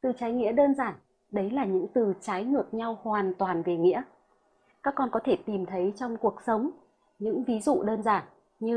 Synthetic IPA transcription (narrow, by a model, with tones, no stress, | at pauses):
t̪ɨ˨˩t͡ɕaː˨˦jŋḭ˧˥ɗəː˧nzaː˧˩n | ɗə˨˦jlaː˨˩ɲɨ̰˧˥ŋt̪ɨ˨˩t͡ɕaː˨˦jŋɨ˨˩ək̚ɲa˧whwaː˨˩nt̪waː˨˩nve˨˩ŋḭ˧˥ə | kaː˦˥kːɔ˧nkɔ˨˦t̪ʰe˧˩t̪i˨˩mt̪ʰə˨˦jt͡ɕɔ˧wŋ͡mku˨˩ək̚sə˨˦wŋ͡m | ɲɨ̰˧˥ŋvi˨˦zṵ˧˨ɗəː˧nzaː˧˩n | ɲɨ˧